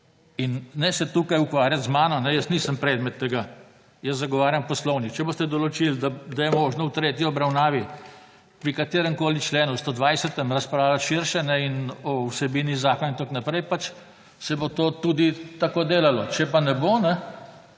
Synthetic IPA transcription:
inːɛsɛt̪ukajukʋaːɾjat̪zmaːnɔnɛjəsniːsəmpɾɛd̪mɛt̪ːɛɡa | jəszaɡɔʋaːɾjampɔslɔwnit͡ʃɛbost̪ɛd̪ɔlɔt͡ʃild̪ad̪ajɛmoːʒnɔwt̪ɾeːt̪jiɔbɾawnaːʋi | pɾikat̪eːɾəmkoːlit͡ʃleːnust̪od̪ʋajsət̪ɛmɾaspɾaːwlaʃiɾʃɛnɛinɔwsɛbiːnizaːkɔnint̪oknapɾɛjpat͡ʃ | sɛbot̪oːt̪uːd̪it̪akoːd̪eːlalɔt͡ʃɛpanɛbonɛ

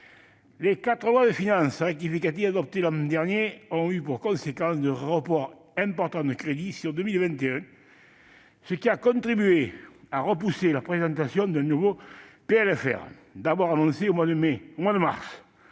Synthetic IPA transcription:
lekat̪χəlwad̪əfinɑ̃səʁɛk̚t̪ifikat̪ivad̪ɔp̚t̪elɑ̃d̪ɛʁnjeɔ̃ypuʁkɔ̃sekɑ̃sd̪əʁəpɔʁ | ɛ̃mpɔʁt̪ɑ̃d̪əkχed̪isyʁd̪əmilvɛ̃nt̪eɛ̃ | səkiakɔ̃nt̪χibyeaʁəp̬uselapχezɑ̃nt̪asjɔ̃d̪ɛ̃nuvopeɛlɛfɛ̰ʁ | d̪abwaʁanɔ̃seomwad̪əmeomwad̪əma̰ʁs

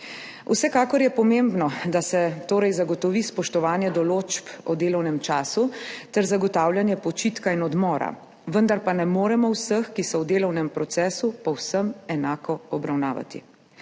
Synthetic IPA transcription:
usɛkaːkɔɾjɛpɔmembnɔd̪asɛt̪oːɾɛjzaɡɔt̪ɔʋispɔʃt̪ɔʋaːnjɛd̪ɔloːt͡ʃpɔd̪eːlɔwnɛmt͡ʃaːsut̪ɛɾzaɡɔt̪aːwljanjɛpɔt͡ʃit̪kainɔd̪mɔːɾa̰ | ʋənd̪aɾpanɛmoːɾɛmɔwsəxkisɔwd̪eːlɔwnɛmpɾɔt̪sɛːsupɔwsəmɛnaːkɔɔbɾawnaːʋa̰t̪ḭ

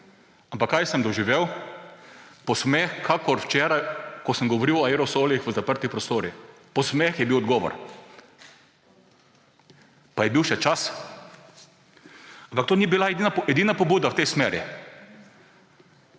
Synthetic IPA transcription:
ampakːajsəmd̪ɔʒiʋeːw | pɔsmexkʰakɔɾwt͡ʃɛːɾajkɔsəmɡɔʋɔɾiwɔaeɾɔsoːlixʋəzapəɾt̪ipɾɔst̪oːɾi | pɔsmexjɛbiwɔd̪ɡɔːʋɔ̰ɾ | pajɛbiwʃɛt͡ʃas | ampak̚t̪oːnibilainaɛd̪iːnapɔbuːd̪awt̪ɛjsmɛːɾḭ

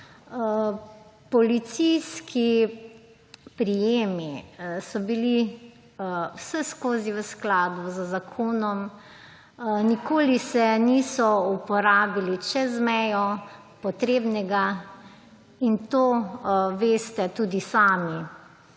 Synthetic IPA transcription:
pɔlit̪sijskʰi | pɾijeːmisɔbili | wsɛskoːziʋəsklaːd̪buzəzakʰoːnɔm | nikoːlisɛniːsɔupɔɾaːbilit͡ʃɛzmɛjɔ | pɔt̪ɾeːbnɛɡa | int̪oːʋeːst̪ɛt̪uːd̪isaːmi

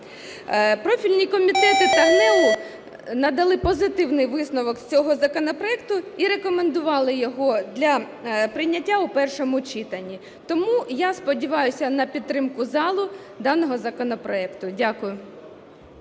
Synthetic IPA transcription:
pɾɔfʲilʲnʲikɔmʲit̪ɛt̪ɪt̪ɐrnɛlʊ | nɐd̪ɐlˠɪpɔzɪt̪ɪwnɪjʋɪsnɔʋɔksʲt͡sʲɔɦɔzɐkɔnɔpɾɔɛkt̪ʊiɾekɔmend̪ʊʋɑlˠɪjɔɦɔd̪lʲɐ | pɾɪjnʲɐtʲːaʊpɛrʃɔmʊt͡ʃit̪ɐnʲːi | t̪ɔmujaspɔdʲiʋɑjʊsʲɐnɐpʲid̪t̪ːɾɪmkʊzɑlˠʊ | d̪ɑnɔɦɔzɐkɔnɔpɾɔɛkt̪ʊdʲakʊjʊ

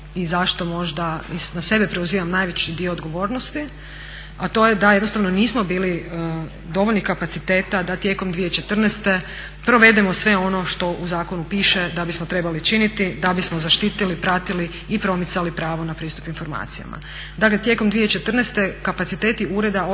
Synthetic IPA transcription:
izaʃt̪o̞mo̞ʒd̪ainase̞bepɾeuziːʋamnaːjʋet͡ɕid̪ioːd̪ɡo̞ʋo̞ːɾnost̪i | at̪o̞jed̪ajed̪nost̪aʋnoniːsmo̞biːli | d̪o̞ʋo̞ʎʲnixkapat̪sit̪e̞ːt̪ad̪at̪je̞ːko̞md̪ʋijet͡ʃe̞t̪r̩nest̪e̞ | pɾo̞ʋe̞d̪emo̞sʋe̞o̞no̞ʃt̪o̞ʔuzaːko̞nupiːʃed̪abismot̪ɾe̞balit͡ʃinit̪id̪abismo̞zaʃt̪iːt̪ilipɾat̪iliːpɾo̞mit̪salipɾaːʋo̞napɾiːst̪u̥pinfo̞ɾma̰ːt̪sija̰ma̰ | d̪aklet̪je̞komd̪ʋijet͡ʃet̪r̩nest̪e̞kapat̪sit̪eːt̪iuɾe̞d̪ao

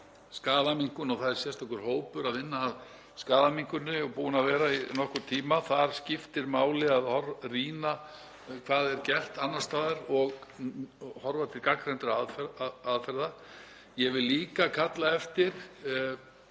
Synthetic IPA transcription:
skaːðamiŋkʏnɔɣθaðɛɾ̥sjɛ̥st̪ɔhkʏɾ̥hoːwpʏɾaðvɪnːaːð | skaːðamiŋ̥kʏnːʏɔpuːnavɛːɾainɔhkʏɾ̥t̪ʰiːmaθaɾ̥scɪft̪ɪɾmaːwlɪaðhɔɾriːna | kʰvaːðɛɾcɛl̥t̪anːast̪aːðaɾɔɣ | hɔɾvat̪ʰɪɾkakɾɛnt̪ɪɾaðaðfɛɾða | jɛvɪlːiːkakʰat̪laɛft̪ɪɾ̥

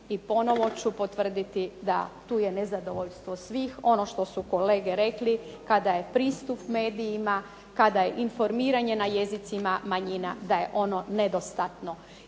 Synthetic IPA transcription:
ipo̞no̞ʋo̞t͡ɕupot̪ʋr̩d̪it̪id̪a̰t̪uːje̞nezad̪o̞ʋoʎst̪ʋosʋiːxo̞no̞ʃt̪o̞suko̞le̞ːɡeɾe̞kli | kad̪aje̞pɾiːst̪upme̞ːd̪ijima | kad̪aje̞ʔinfo̞ɾmiːɾaɲe̞naje̞zit̪simamaɲina̰d̪aje̞ʔo̞no̞ned̪o̞st̪at̪no̞

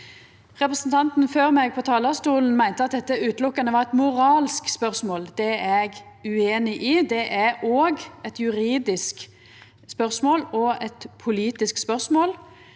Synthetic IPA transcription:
ʁɛpʁɛsn̩t̪ʰɑnt̪n̩føːʁmɛɡ̚pʰɔt̪ʰɑːləst̪uːln̩mæɪnt̪əɑt̪̚d̪ɛt̪ːəʉːt̪lʊkːɑnəʋɑʁɛt̪mʊʁɑːlskspœʁsmoːld̪ɛɛɡ | ʉeːnɪʔid̪ɛʔæoːɡɛt̪jʉɾiːd̪ɪsk | spœʁsmoːlɔɛt̪pʰʊliːt̪ɪskspœʁsmoːl

